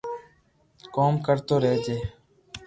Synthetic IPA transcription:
koːmkəɾt̪oːɾeːd͡ʒ̪eː

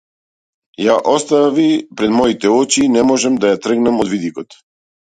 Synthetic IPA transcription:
jaʔɔst̪avipɾɛd̪mɔit̪ɛɔt͡ʃiːnɛmɔʒɛmd̪ajat̪r̩ɡnɛmɔd̪vid̪ikɔt̪

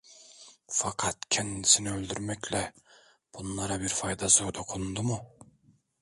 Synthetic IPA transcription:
fɑqʰɑt̪cʲʰɛnd̪isiniølʲd̪yɾmɛcʲlɛ | b̥unlˠɑɾɑbiɾfɑjd̪ɑzoɾd̪oqʰund̪umu

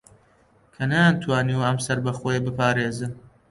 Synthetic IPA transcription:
kʰɐnajant̪ʰwɑːniwɐmsɐɾbɐxoːjɐbɨpʰaːɾeːzɨn

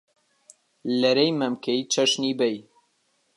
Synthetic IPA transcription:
lɛɾejmɐmkʰɛit͡ʃʰɐʃniːbɛj

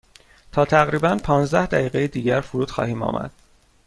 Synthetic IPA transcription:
t̪ʰɒːt̪ʰæɣɾiːbænpʰɒːnzd̪æhd̪æjiːɣejed̪iːɟæɾfuɾuːt̪xɒ̰ːhiːmɒ̰ːmʔæ̰d̪̥

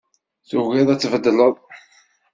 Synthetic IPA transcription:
θuɣiðˤæt͡sːvəd̪ːələðˤ

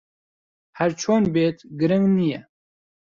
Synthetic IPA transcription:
hæɾt͡ʃʰoːnbeːt̪ɡɨɾɨŋɡnijɛ

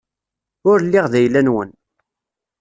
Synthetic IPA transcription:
ʊɾlːiʁðæjlːænwən

